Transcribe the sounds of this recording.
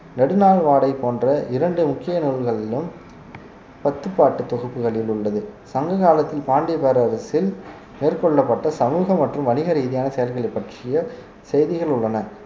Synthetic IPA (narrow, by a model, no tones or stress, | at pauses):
nɛɽɯnaːlʋaːɽɐɪpoːndrɐʔɪɾɐɳɖɯmʊkːɪjɐnuːɭɣɐɭɪlɯm | pɐt̪ːɯpːaːʈːɯt̪ːɔɣɯpːɯɣɐɭɪlʊɭːɐðɯsɐŋɡɐɣaːlɐt̪ːɪlpaːɳɖɪpeːɾɐɾɐsɪl | neːrkɔɭːɐpːɐʈːɐsɐmuːɣɐmːɐʈrɯmʋɐnɪɣɐɾiːðɪjaːnɐsɛjɐlɣɐɭɐɪpːɐʈrɪjɐ | sɛjðɪɣɐɭʊɭːɐnɐ